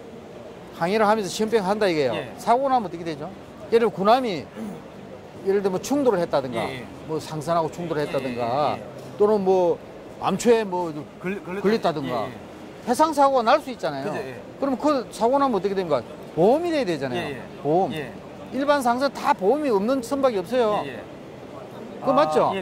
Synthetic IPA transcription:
haŋeɾɯɭhamjʌnsʰʌɕʰiɯmpʰeŋɦandaiɡejosʰaɡonamʌt͈əkeded͡ʑo | jeɾɯkunami | jeɾɯɭdemwʌt͡ɕʰuŋdoɾɯɭhe̞t̚t͈adɯŋɡa̰ | mʌsʰaŋs̬ʰanɦaɡot͡ɕʰuŋdoɾɭhet͈̚adɯŋɡa | t͈onɯnmwʌ | a̰mt͡ɕʰoemwʌ | kɯɭːitt͈adɯŋɡa̰ | he̞sʰaŋs̬ʰaɡoɡanaɭs͈uit̚t͡ɕ͈anajo | kɯɾʌmkɯsʰaɡonamʌt̬͈ːɯkʰedemik͈a | pomidedwe̞d͡ʑanajo̰ | pom | iɭbans̬ʰaŋs̬ʰɯntapomiʌmnɯnsʰɯmbaɡiʌp̚s͈ʌjo | kɯmat̚t͡ɕo

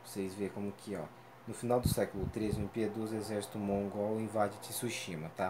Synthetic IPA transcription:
vosejzvekõmʊkʰɪɔ̰ | nʊfinawd̪ʊsɛkʊlʊt̪ɾezɪũpied̪ozezɛɾsi̥t̪umoũɡɔwĩvad͡ʒɪt͡ʃɪsuʃĩmɐt̪a

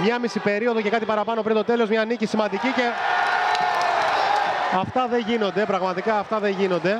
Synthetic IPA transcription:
mɲɐmisipe̞ɾio̞ðo̞ce̞kɐt̪ipɐɾɐpɐnopɾint̪o̞t̪e̞lo̞zmɲɐːnicisimɐnd̪icice̞ | ɐft̪ɐðe̞ʝino̞nd̪e̞pɾɐɣmɐt̪ikɐːft̪ɐðe̞ɲʝino̞nd̪e̞

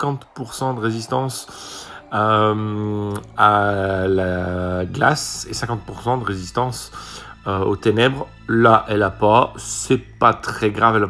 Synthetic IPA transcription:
kɑ̃t̪puʁsɑ̃d̪əʁezist̪ɑ̃s | m | alaɡlasesɛ̃kɑ̃t̪̚puʁsɑ̃d̪əʁezist̪ɑ̃s | øot̪enɛbʁ | laʔɛlapasɛpat̪χɛɡʁavɛla

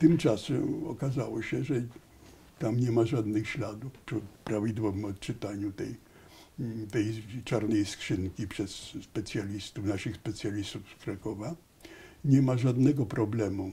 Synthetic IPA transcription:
t̪ɘmt͡ʂasɛmɔ̰kazawɔɕɛʐɛ | t̪amɲɛmaʐad̪nɘxɕlad̪ufpʂɪpɾavʲid̪wɔvɘmɔt̪t͡ʂɨt̪aɲut̪ɛj | t̪ɛjt͡ʂaɾnɛjskʂɘŋkʲipʂɛsːpɛt̪sʲjalʲist̪ufnaʂɘxspɛt̪sjalʲist̪ufskɾakɔva | ɲɛmaʐad̪nɛɡɔpɾɔblɛmu

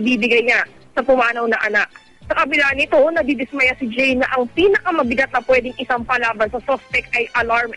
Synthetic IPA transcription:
biːbɪɡɐjɲa | sɐpʊmaːnɐwnɐʔɐnak̚ | sɐkɐbɪlanɪt̪o̞nɐd̪id̪ɪsmɐjasɪd͡ʒɛjnɐʔɐŋpiːnɐkɐmɐbɪɡɐt̪nɐpwɛːd̪ɪŋɪsaŋpɐlaːbɐnsɐsospɛk̚t̪ʔɐjʔɐlaɹm

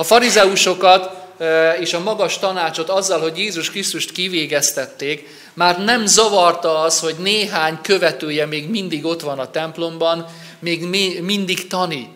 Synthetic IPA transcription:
ɒfɒɾizɛuʃo̞kɒt̪ | eːʃɒmɒɡɒʃt̪ɒnaːt͡ʃo̞t̪ɒzːɒlɦo̞ɟjeːzuʃkrist̪uʃt̪kiveːɡɛst̪ɛt̪ːeːk | maːrnɛmzɒvɒrt̪ɒɒsho̞ɟneːɦaːɲkø̞vɛt̪øːjɛmeːɡmind̪iɡo̞t̪ʋɒnɒt̪ɛmplo̞mbɒn | meːɡmind̪ikt̪ɒnit̪

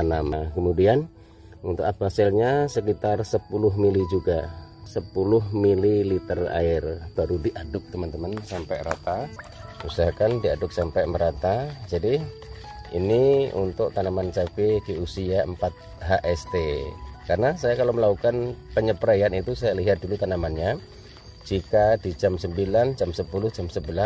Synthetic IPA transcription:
anamakəmudian | unt̪ʊk̚afasɪlɲasəkit̪arsəpulʊɦmilid͡ʒuɡasəpulʊɦmililit̪əra̰ɪrb̥aɾudiʔadʊk̚t̪əmant̪əmansampɛjɾa̰t̪a | usaɦakandiadʊk̚sampajməɾat̪ad͡ʒadi | ḭniṵnt̪ʊk̚t̪anamant͡ʃapediusiaəmpat̪̚ | ɦaʔɛst̪ekarnasajakaloməlakukanpəɲəpɾajanit̪usajaliɦat̪̚dulut̪anamanɲa | d͡ʒikadid͡ʒamsəmbiland͡ʒamsəpulʊhd͡ʒamsəbəla

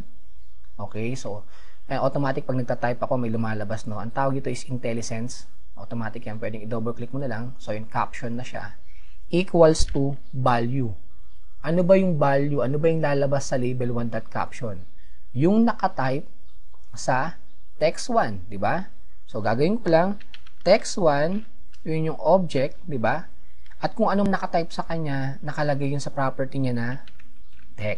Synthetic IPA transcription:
ʔo̞ːkɛjso | ʔɐʔot̪omaːt̪ɪk̚pɐɡ̚nɐɡ̚t̪at̪ajpɐkomɐjlʊmaːlɐbasno̞ʔɐŋt̪aːwɐɡ̚nɪt̪o̞ʔɪsʔɪnt̪ɛlɪsɛns | ʔot̪omaːt̪ɪkjanpwɛd̪ɪŋɪd̪oːbɛlklɪk̚mʊnɐlaŋso̞jʊŋka̰pʃonːɐʃa̰ | ʔiːkwɐlst̪u | balju | ʔɐnobɐjʊŋbaljʊʔɐnobɐjʊŋlaːlɐbasːɐlibɛlwɐnd̪ɐt̪̚ka̰pʃon | jʊŋnɐkɐt̪ajp̚ | sɐ | t̪ɛkswand̪ɪba | soɡa̰ːɡɐwɪnkolaŋ | t̪ɛkswan | jʊnʊŋʔob̚d͡ʒɛk̚t̪̚d̪ɪba | ʔɐt̪̚kʊŋʔɐnonɐkɐt̪ajp̚sɐkɐɲːa | nɐkɐlɐɡajʊnsɐpɹapɛɹt̪iɲanɐ | t̪ɛk̚

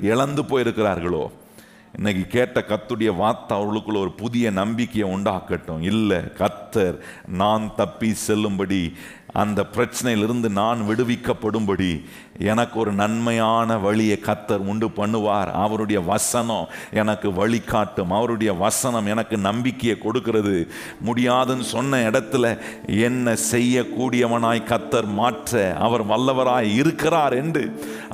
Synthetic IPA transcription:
ɪɭɐnd̪ɯpoːjɪɾɯkːɪɾaːɾɣɐɭo̰ː | ɪnːɐkːikeːʈːɐkɐt̪ːɯɽɐjɐʋaːɾt̪ːɐɐʋɐɾɣɐɭɯkːɯɭoɔɾɯpʊðɪjɐnɐmbɪkːɐjɐʊɳɖaːkːɐʈːõ̰ɪlːɐ̰kɐt̪ːɐɾ | naːnt̪ɐpːisɛlːɯmbɐɽi | ɐ̰nd̪ɐpɪɾɐt͡ʃːɐnɐjɪlɪɾɯnd̪ɯnaːnʋɪɽɯʋɪkːɐpːɐɽɯmbɐɽi | ɛnɐkːɯɔɾɯnɐnmɐjaːnɐʋɐɭɪjɐkɐt̪ːɐɾʊɳɖɯpɐɳːɯʋaːɾɐ̰ʋɐɾɯɽɐjɐʋɐsɐnɐmʔɛnɐkːɯʋɐɭɪkːaːʈːɯmɐʋɐɾɯɽɐjɐʋɐsɐnɐmɛnɐkːɯnɐmbɪkːɐjɐkɔɽɯkːɪrɐðɯ | mʊɽɪjaːðɯnɯsɔnːɐɪɽɐt̪ːɪlɐɛnːɐsɛjːɐkːuːɽɪjɐʋɐnaːjkɐt̪ːɐɾmaːʈrɐɐ̰ʋɐɾʋɐɭːɐʋɐɾaːjɪɾɯkːɪraːɾɛnɖrɯ

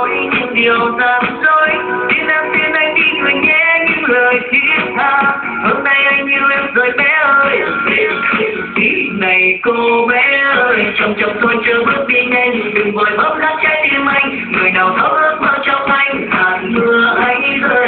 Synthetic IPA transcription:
ɲɨŋ͡mɗiəwzaːmzoj | sinʔaːmt̪inʔajt̪ikɨəɲɛɲɨləːjt͡ɕit̚haː | həːnɗajʔajŋɲɨʔɛmzəːjɓɛʔəːj | inajkoɓɛʔəːjt͡ɕɔwŋ͡mt͡ɕɔwŋ͡mt̪ojt͡ɕɨːɓɨt̚ɗiɲajŋɗɨŋɓəjɓət̚naːt̚t͡ɕajt̪imʔajŋ̟ | ŋɨəjɗawt̪ʰəw̚ʔəːt̚mənt͡ɕɔwŋ͡mʔajŋ̟laːmɨəʔaj̟zəː

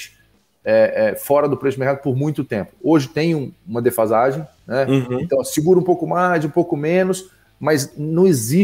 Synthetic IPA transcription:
t͡ʃɪ̥ | ɛʔɛfɔɾɐd̪ʊpɾeɛʃʊmeɾkad̪ʊpʊɾmũj̃t̪ʊt̪ẽmpʊ̥oʒɪt̪ẽj̃ũũmɐd̪efazaʒẽj̃nɛẽnt̪ɐ̃w̃siɡuɾɐ̃ũpowkʊmajzũpowkʊmẽnʊs | mɐznɐ̃w̃ezi

